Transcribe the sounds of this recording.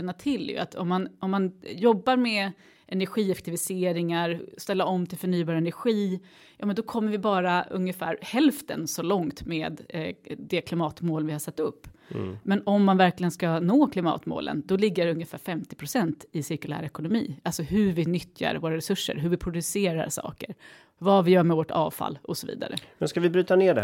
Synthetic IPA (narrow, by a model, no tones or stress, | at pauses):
ɛnːat̪ʰɪlːjɵ̰a̰t̪ʰɔmːanɔmːanjɔbːaɾmɛ | ʔɛnæɾɧiːɛfɛk̚t̪ʰɪvɪseːɾɪŋaɾst̪ɛlːaɔmːt̪ʰɪlfœɳyːbɑːɾɛnæɾɧiː | jɑːmɛnd̪ɔkʰɔmːəɾvɪbɑːɾaɵ̰ŋjəfæ̰ːɾhɛlft̪ə̰nsɔlɔŋt̪meːd̪d̪ɛkʰlɪmɑːt̪moːlvɪhasat̪ːɵpːmɛnɔmːanvæɾklɪɡənskanoːkʰlɪmɑ̰ːt̪mo̰ːlʔə̰nd̪ɔlɪɡːəɾɵŋjəfæ̰ːɾfɛmt̪ɪ̥pʰɾʊsɛnt̪ɪsɪɾkɵlæ̰ːɾɛkʊnʊmḭːalsɔɦɵvɪnʏt̪ːja̰ɾvoːɾaɾɛsɵʂːə̰ɾɦɵvɪpʰɾʊd̪ɵseːɾa̰ɾʂɑ̰ːkəɾ | vɑvɪjœːɾmɛvoʈɑ̰ːvfa̰lːɔsɔvḭːd̪a̰ɾə̰mɛnskavɪbɾyːt̪aneːɖɛ